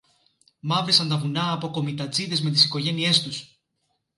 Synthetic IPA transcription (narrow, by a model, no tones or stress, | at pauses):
mɐvɾesɐnt̪ɐvunɐːpo̞ko̞mit̪ɐt͡siðe̞zme̞t̪isiko̞ʝe̞nie̞st̪us